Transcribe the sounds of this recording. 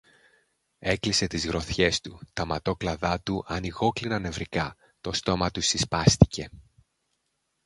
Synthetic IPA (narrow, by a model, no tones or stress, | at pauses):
e̞klise̞t̪izɣɾo̞θçe̞st̪ut̪ɐmɐt̪o̞klɐðɐt̪uʔɐniɣo̞klinɐne̞vɾikɐ | t̪o̞st̪o̞mɐt̪usispɐst̪i̥ce̞